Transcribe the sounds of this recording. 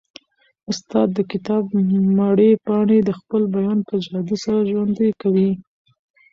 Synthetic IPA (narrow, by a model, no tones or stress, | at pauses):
ʊst̪ɑd̪ːəkɪt̪ɑb̚mɑɽepɑɳed̪əxpəlbajɑnpəd͡ʒhɑd̪isaɾaʒwand̪ajkawi